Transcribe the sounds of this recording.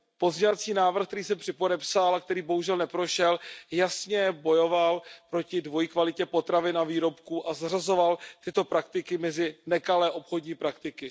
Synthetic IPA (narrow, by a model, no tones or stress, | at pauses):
po̞zɲɛvat͡siːnaːvr̩xkt̪ɛɾiːs̬ɛmpr̥ɪpo̞dɛpsalak̚t̪ɛɾiːbo̞ɦuʒɛlnɛpɾo̞ʃɛljasɲɛbo̞jo̞valpɾo̞cɪdvo̞jkvalɪcɛpo̞t̪ɾavɪnaviːɾo̞pkuːʔazarazo̞valt̪ɪt̪o̞pɾak̚t̪ɪkɪmɛzɪnɛkalɛːʔo̞pxo̞dɲiːpɾakt̪ɪkɪ